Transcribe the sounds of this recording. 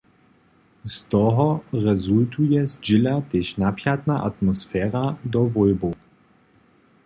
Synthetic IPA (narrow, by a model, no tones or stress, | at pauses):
st̪ɔɦɔʁɛzultujɛzd͡ʒɪlat̪eːʃnapjat̪naʔat̪mɔsfɛːʁad̪ɔvɔjbo